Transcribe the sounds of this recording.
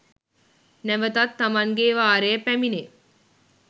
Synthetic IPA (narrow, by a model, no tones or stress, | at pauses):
nɛʋət̪ɐt̪ːɐmɐŋɡeːʋaːɾejəpæmine